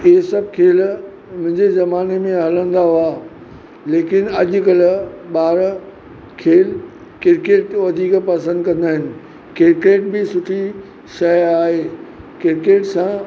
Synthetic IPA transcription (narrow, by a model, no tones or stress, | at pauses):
ɪɦesɐb̚kʰeːl | mʊ̃ɦɪ̃ɲd͡ʑezɐmaːnemẽɦɐlə̃nd̪aɦua | leːkɪnɐʄʊ̆kɐlɓaːɾ | kʰeːl | kɪɾkeːʈ̪ʋɐd̪ʱiːkpɐsə̃nd̪kɐ̃nd̪aːɦɪnɪ̆ | kɪɾkeːʈbɪsʊʈʰi | ʃɐjaːɦeːkɪɾkeːʈsã